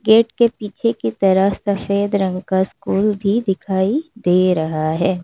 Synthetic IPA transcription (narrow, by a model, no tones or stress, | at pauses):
ɡeːʈkepiːt͡ʃʰekit̪ɐɾəɦsɐfeːd̪ɾɐ̃ŋɡkaskuːlbʱid̪ɪkʰaːid̪eːɾɐɦaɦɛː